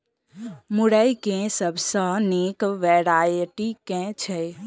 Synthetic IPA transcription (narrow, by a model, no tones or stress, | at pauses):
muɽəjkẽsəbʱsə̃nekʋɛɾajʈikɛ̃t͡ʃʰɛ